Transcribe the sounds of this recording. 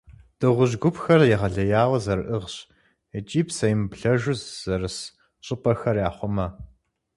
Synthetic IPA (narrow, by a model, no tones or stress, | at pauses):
d̥ɨʁʷʊʑɡʷʊpxɐrjɛʁɐɮɐjaːwɐzɐɾɨʔɨʁɕ | ɛt͡ʃʼiːpsɐjɪmbɬɐʒʷʊzz̥ɐrɨs | ɕʼɪpʼɐxɐrjaːχʷʊmɐ